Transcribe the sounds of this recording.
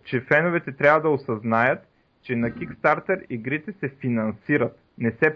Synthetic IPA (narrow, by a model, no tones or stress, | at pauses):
t͡ʃɛfɛnʊvɛt̪ɛt̪ɾʲavɐd̪ɐosɐznajət̪ | t͡ʃɛnɐkʲikst̪aɾt̪ɛɾiɡɾit̪ɛsɛfinɐnsiɾɐt̪ | nɛsɛ